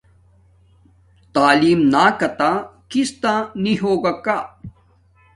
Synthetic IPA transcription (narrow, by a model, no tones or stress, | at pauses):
t̪aːliːmnaːkɐt̪aːkist̪ãniɦoːɡakaː